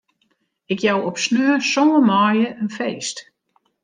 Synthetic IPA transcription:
ɪkjawɔpsnøːsɔːəmɔːjəənfeːst

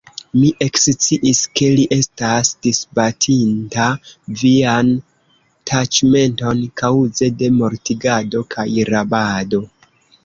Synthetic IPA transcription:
miʔe̞kst͡siʔiske̞liʔe̞stasdisbatʰintavian | tʰat͡ʃme̞nto̞nkawze̞de̞mo̞ɾtiɡado̞kʰajɾabado̞

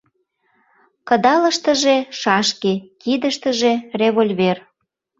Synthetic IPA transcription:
kəd̪ɑləʃt̪ə̆ʒeʃɑʃkekid̪əʃt̪əʒereβolʲβer

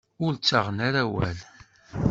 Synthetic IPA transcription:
ʊɾt͡sːaʁnaɾæwæ̰l

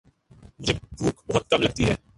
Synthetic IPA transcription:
mʊd͡ʒʱebʱuːkbɐɦʊt̪̚kɐmlɐɡ̚t̪iɦɛː

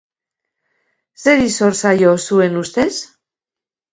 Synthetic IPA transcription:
se̞ɾiso̞ɾsajo̞sue̞nust̪e̞s

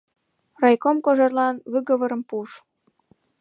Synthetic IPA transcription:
rɑjkomkoʒerlɑnβyɣə̆βəɾə̆mpuʃ

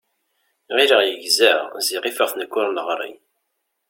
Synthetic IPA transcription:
ʁiɾəʁjəʝzæʁziʁifəʁθnəkːʊɾˤləʁɾˤḭ

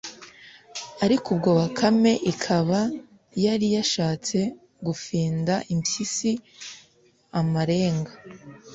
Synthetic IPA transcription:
aɾikʰub̚ɡo̞ːβakʰame̞ʔikʰaβa | jaɾijaʃaːt͡se̞ | ɡufiːndaʔimsisi | amaɾe̞ːŋɡa

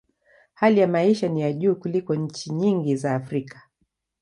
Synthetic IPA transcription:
halijamaiʃanijaʄuːkulikɔɲ̩t͡ʃiɲiŋɡizaːfɾikḁ

